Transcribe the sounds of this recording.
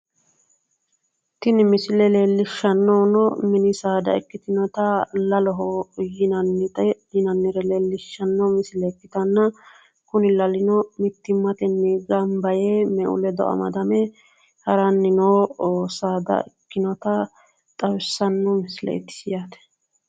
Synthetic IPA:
t̪ɪnɪmɪsɪlɛle̞ːlːɪʃːɐnːonɔmɪnɪsaːd̪ɐ̰ɛkːɪt̪ɪnɔt̪ɐlɐlɔɦɔjɪnɐnːɪt̪ʼɛ | ɪnɐnːɪɾɛleːlːɪʃːɐnːɔmɪsɪlɛːkːɪt̪ɐnːɐ | kʊnɪlɐlɪnɔmɪt̪ːɪmːɐt̪ɛnːɪɡɐmbɐjemɛʔʊ̰lɛd̪ɔ̰ʔɐ̰mɐ̰d̪ɐmɛ | hɐɾɐnːɪnoːoːsaːd̪ɐ̰ɛkːɪnɔt̪ɐ | t̪ʼɐwɪsːɐnːɔmɪslɛ̰ɪ̰t̪ːɪ̥sɪjat̪ɛ̥

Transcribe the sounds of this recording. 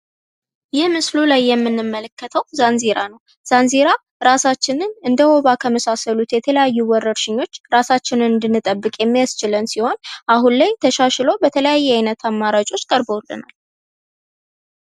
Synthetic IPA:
jɪhmɨslulajːɛmːɨnːɨmːələkːət̪ʰəwzanzeɾanəw | z̥anzeɾa | ɾasat͡ʃːɪnɨnɨnd̪əwoβakʰəməsasəlut̪jɛt̪ʰələjajːuwɔɾːəɾʃɪɲːo̞t͡ʃːɾasat͡ʃːɪnɨnɨnd̪ɨnːɨt̪ʼəbːɨkʼjɛmːijast͡ʃɪlənsiho̞nʔaɦunlajt̪ʰəʃaʃlo̞bət̪ʰələjajːɛajnət̪ʰamːaɾat͡ʃʼo̞t͡ʃːkʼəɾbowlːɨ̰na̰l

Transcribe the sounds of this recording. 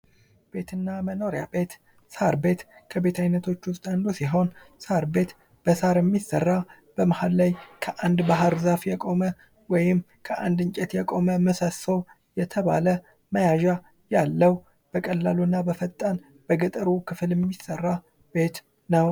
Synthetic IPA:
b̥e̞t̪ʰɨnːaməno̞ɾjabe̞t̪ | saɾbe̞t̪kʰəbe̞t̪ʰajnət̪ʰo̞t͡ʃːwʊst̪ʼand̪usiɦo̞nsaɾbe̞t̪ | b̥əsaɾjɛmːisːərːa | b̥əmahallajkʰəʔand̪baɦəɾzafjɛkʼo̞mə | wɔjɪm | kʰəʔand̪ɨɲt͡ʃʼɛt̪jɛkʼo̞məməsəsəw | jɛt̪ʰəβa̰lə | məjaʒa | jalːəw | b̥əkʼəlːalunːabəfət̪ʼːan | b̥əɡət̪ʼəɾukʰɨfɨljɛmːisərːa | b̥e̞t̪ | nəw

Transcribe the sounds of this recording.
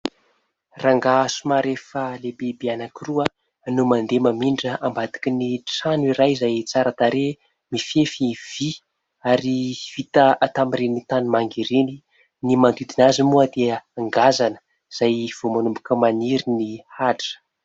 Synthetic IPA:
raŋɡasumaɾefəlebebeanakiruə | numand̪emamiɳɖ͡ʐəʔambat̪i̥kiniʈ͡ʂanuiɾajzajt͡saɾat̪aɾe | mifefiv̥i | aɾiv̥it̪əat̪amiɾenit̪animaŋɡiɾeni | nimand̪id̪inazimuəd̪eəaŋɡazanə̥ | z̥ajv̥omanumbukəmaniɾinihaʈ͡ʂə̥

